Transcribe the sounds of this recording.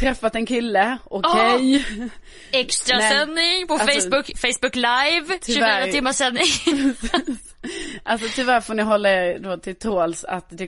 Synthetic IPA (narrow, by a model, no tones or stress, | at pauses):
t̪ʰɾɛfːat̪ɛnkʰɪlːəɔkʰɛj | ɛkst̪ɾasɛnːɪŋpʰɔfɛɪsbʊkfɛɪsbʊkːlajvʰʉæːɾəɪmːəsːɛnːɪŋ | ʔalsɔt̪ʰʏvæɾfoːnɪɦɔlːaɛd̪oːt̪ʰɪlt̪ʰoːlsa̰t̪d̪ɛ